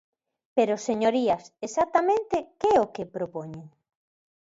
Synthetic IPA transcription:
peɾoseɲoɾiɐsesat̪amẽnt̪ekɛɛokepɾopoɲeŋ

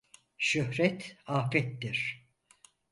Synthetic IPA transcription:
ʃøhɾɛt̪ʰaːfɛt̪ːiɾ̥

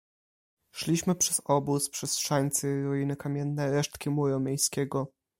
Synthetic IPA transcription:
ʂlʲiɕmɘpʂɛzɔbuspʂɛstʂaɲʲt̪sɘɾɔjinɘkamʲjɛnːɛɾɛʂt̪kʲimuɾɔmʲjejskʲɛɡɔ

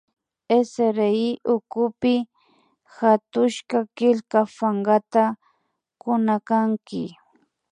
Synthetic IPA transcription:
eseɾeiʔʊkʊpɪ | xat̪ʊʃkakɪlkafaɴɢat̪a | kʊnakaŋkɪ̰

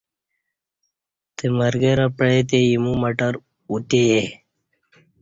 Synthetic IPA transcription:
t̪eməɾɡeɾapɭet̪ejimumɐʈəɾ | ut̪eje

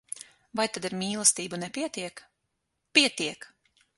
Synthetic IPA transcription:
vajt̪ad̪iɾmʲiːlˠast̪iːbunɛpʲiɛt̪iɛk | pʲiɛt̪iɛk

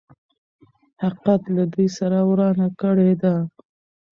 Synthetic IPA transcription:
haqat̪lad̪ujsaɾawɾɑnakəɽed̪a

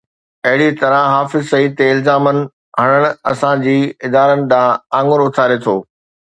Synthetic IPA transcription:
ɐɦɪɽit̪ɐɾãɦaːfɪzsɐiːt̪eɪlzaːmənɪ̆ | ɦɐɽ̃əɽ̃ɐsãd͡ʑiːɪd̪aːɾənɪ̆ɗ̪ãːãːŋɡʊɾʊt̪ʰaːɾet̪ʰoː

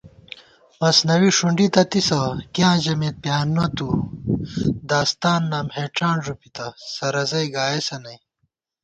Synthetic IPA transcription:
mɐsnɐwiʂuɳɖit̪ɐt̪isɐkjãːʑɐmeːt̪̚pjaːnːɐt̪u | d̪aːst̪aːnːaːmheːʈ͡ʂaːnʐupit̪ɐsɐɾɐzɐjɡaːjesɐnɐj

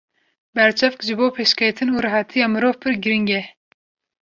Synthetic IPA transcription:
bɛɾt͡ʃʰɛvkʒɨboːpʰeːʃkejt̪ʰɨnuːɾɨɦɑt̪ʰijɑːmɨɾoːvpʰɨɾɡɨɾiŋɡɛ

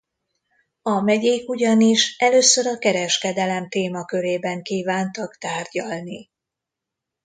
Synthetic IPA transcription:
ɒmɛɟeːkuɟɒniʃɛløːsøɾɒkɛɾɛʃkɛd̪ɛlɛmt̪eːmɒkø̞ɾeːbɛŋkiːvaːnt̪ɒkt̪aːrɟɒlni

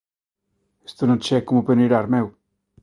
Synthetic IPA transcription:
e̥st̪onõŋt͡ʃɛkomopeneɾaɾmɛw

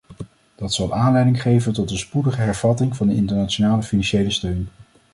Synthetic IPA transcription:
d̥ɑtsɑlˠʔaːnlɛjdɪŋχejvəntɔtənspudəχəɦɛɹv̥ɑtɪŋvɑndəɪntəɹnat͡ʃonaːləfinɑnʃejləstøɥn

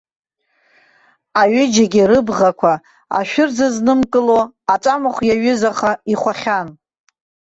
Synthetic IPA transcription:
aɥɪd͡ʒaɡʲiɾɨbʁakʷʰa | a̰ʃᶣʊrd͡zaznɨmkʼɨloat͡ʃʼamɨχʷjaɥʏzaχaiχʷaχʲan

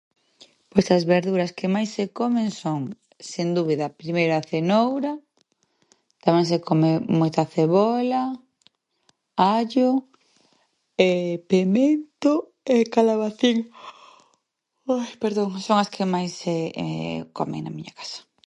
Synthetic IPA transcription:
pojsɐzβeɾðuɾɐskemajsːekomeŋsoŋ | send̪uβiðɐpɾimejɾoaθenowɾɐ | t̪amɛ̃ŋsekomemojt̪aθeβola | aʎo | epement̪o | ekalaβaθiŋ | ojpeɾðoŋsoŋɐskʰemajsːeɛ̰ko̰mḛŋnɐ̰miɲakḁsɐ̥

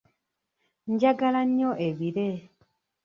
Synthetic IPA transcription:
ɲd͡ʒaɡalaɲoʔeβiɾe

